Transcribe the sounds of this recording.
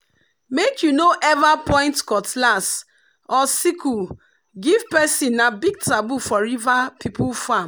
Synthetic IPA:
mekʰjunoʔɛvapɔ̃ɪ̃ntkɔtlas | ɔsiku | ɡivpɛsĩnːabiɡ̚tɹabufɔɾivapʰipʰufam

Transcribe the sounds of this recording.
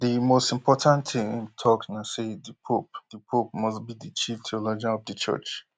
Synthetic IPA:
dimostĩmpʰɔtʰãnttʰɪ̃ŋĩntʰɔknasedipʰop̚dipʰop̚mɔsbidit͡ʃʰiftʰiɔlod͡ʒãnɔvdət͡ʃʰɜ̰t͡ʃ

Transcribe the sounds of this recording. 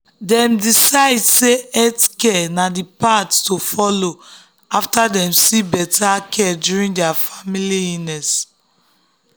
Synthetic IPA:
dɛ̃mdisaɪdseɛtkɛnadipattofɔlo | aftadɛ̃msibɛtʰakʰɛdjuɹĩŋdɛafamiliinɛs

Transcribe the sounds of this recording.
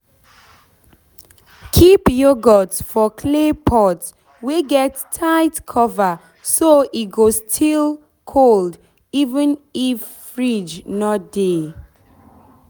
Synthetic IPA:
kʰipjoɡɔtfɔkʰlepʰɔt | weɡɛtʰːaɪtkʰɔva | soʔitɡostʰil | kʰold | ivə̃nifːɹid͡ʒnɔt̚d̥e

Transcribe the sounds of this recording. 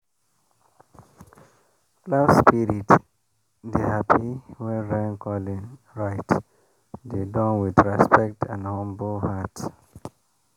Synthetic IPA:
klaspiɹit | dehapʰiwɛ̃nɹɛ̃nkʰɔlĩn | ɹaɪt | dedɔ̃nwidɹɛspɛk̚tʰãnhɔ̃mbolhat

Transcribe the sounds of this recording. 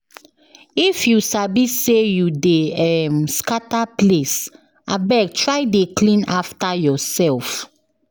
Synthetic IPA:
ifjusabisejudeɛmskataples | abɛk̚tɹajdeklĩnaftajɔsɛlf

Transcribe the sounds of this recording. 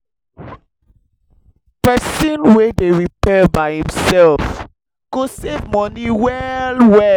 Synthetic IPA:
pɛsĩnwedeɹipɛbaɪhĩmsɛlf | ɡ̥osevmɔniwɛlwɛ

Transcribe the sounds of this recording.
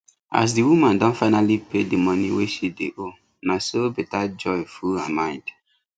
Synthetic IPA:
ʔa̰s̬diwumãndɔ̃nfaɪnalipʰedimɔniweʃideʔo | nasobetad͡ʒɔjfulamãɪ̃nd

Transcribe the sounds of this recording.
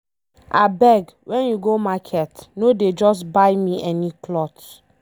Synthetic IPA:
a̰bɛɡwʔɛ̃njuɡomakʰɛtnoded͡ʒɔsbaɪmiʔɛniklɔt

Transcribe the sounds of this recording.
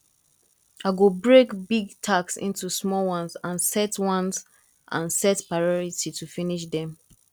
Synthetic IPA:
aɡobɹekbiɡtʰaksḭ̃ntusmɔlwʌ̃nzãnsɛtwʌ̃nz | ʔãnsɛtpɹaɪɔɹititʰufiniʃ̬dɛ̃m

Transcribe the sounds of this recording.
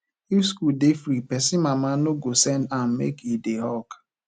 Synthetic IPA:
ifskuldefɾipɛsimamanoɡosɛndam̩mḛkideɦɔk

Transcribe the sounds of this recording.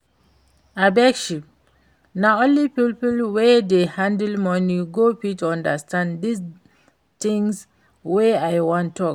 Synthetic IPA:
abɛkʃip̚ | naõnlipipəlwɛdehãndlmɔniɡopituãndəstãndis | t̪ĩŋs | weajwɔ̃ntːɔk

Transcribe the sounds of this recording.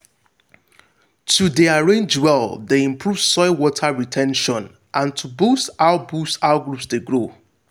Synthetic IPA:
tʰudeaɹẽnd͡ʒwɛldeĩmpʰɹuv̥sɔɪwɔtʰaɹitʰɛ̃nʃɔ̃n | ʔãntʰubustaʊbusaʊɡɹupsdeɡɹo

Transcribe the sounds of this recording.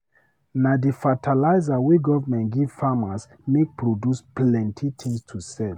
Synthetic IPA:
nadifatʰalaɪzawiɡɔvamɛ̃ntɡivfamas | mek̚pɹodjusplɛ̃ntʰitʰĩŋstʰusɛl

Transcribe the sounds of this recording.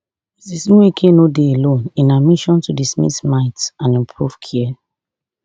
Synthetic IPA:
sisnũwekʰenodeelõnĩnamiʃɔ̃ntudismḭsmaɪtãnɛ̃mpʰɹuv̥kʰɛɛ

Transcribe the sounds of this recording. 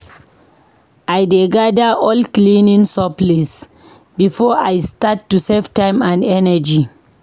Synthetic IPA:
ʔajdeɡadəʔɔlklĩnĩŋsɔplis | bifɔajstatːuseftãɪ̃mãndɛnəd͡ʒi

